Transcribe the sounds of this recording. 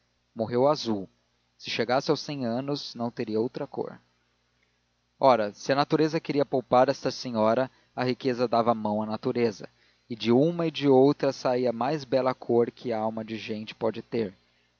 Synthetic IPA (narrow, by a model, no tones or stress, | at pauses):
moɦewazuw | sɪʃeɡasɪawsẽj̃ɐ̃nʊsnɐ̃w̃t̪eɾiɐowt̪ɾɐko̰ɾ | ɔɾɐsɪɐnat̪uɾezɐkeɾiɐpowpaɾɛst̪ɐsẽɲɔɾɐ | ɐɦikezɐd̪avɐmɐ̃w̃ɐnat̪uɾezɐ̰ | ɪd͡ʒɪũmɐɪd͡ʒɪowt̪ɾɐsaiɐmajzbɛlɐkʰoɾkʰɪawmɐd͡ʒɪʒẽt͡ʃɪ̥pɔd͡ʒɪt̪eɾ